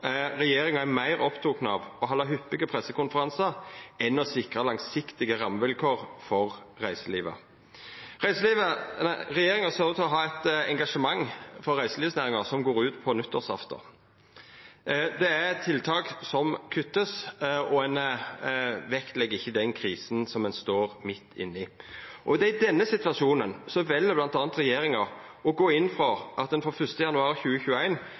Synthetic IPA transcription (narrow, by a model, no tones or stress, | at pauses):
ɾɛjeːɾɪŋɑæɾmæɪɾɔpt̪ʰuːknəɑ̰ʋɔɦɑlɑɦʏpːɪɡəpʰʁɛsːəkʊnfəɾɑnsɑɾɛnɔsɪkʁəlɑŋsɪkt̪ɪɡəʁɑmːʋɪlkʰoːʁfɔʁː | æɪsəlḭːʋə̰ | ʁæɪsəliːʋəɾɛjeːɾɪŋɑsœɾʋət̪ʰɔɦɑːɛt̪ɛŋɡɑʂəmɑŋfɔɾːæɪsəliːʋsnæːɾɪŋɑsɔmɡoːɾʉːt̪pʰɔnʉt̪ʰːəʁsɑ̰ft̪ə̰ | d̪ɛæt̪ʰːɪlt̪ʰɑːksɔmkʰʉt̪ːəsɔɛn | ʋɛkt̪lɛɡːɪçːəd̪ɛnkʰɾiːsn̩sɔmːɛnst̪oːɾmɪt̪ʰːɪ̰nːɪʔɔd̪ɛɪd̪ɛnːəsɪt̪ʋɑsuːnənsɔʋɛlːəblɑnt̪ɑːnt̪ɾɛjeːɾɪŋɑɔɡoːɪnːfɾɑʔɑt̪̚d̪ɛnfɔɾfœst̪əjɑnʉɑːɾçʉːəçʉːæɪn